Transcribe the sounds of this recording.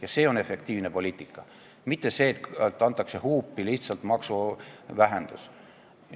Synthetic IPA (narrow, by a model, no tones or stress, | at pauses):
jɑse̞ːo̞ne̞fe̞k̚t̪iːvnepo̞liːt̪ˑikːˑɑ | mit̪ːe̞se̞ːt̪t̪ːˑɑnt̪ːˑɑkse̞huːpːiliht̪sɑlt̪mɑksuvæɦend̪̥us